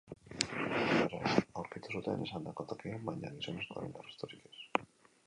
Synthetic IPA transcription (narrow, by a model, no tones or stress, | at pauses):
oɾa̰awɾkit̪usut̪ḛnʔḛsand̪akot̪okiambajɲaɣisonest̪o̰ɾḛnarast̪oɾikes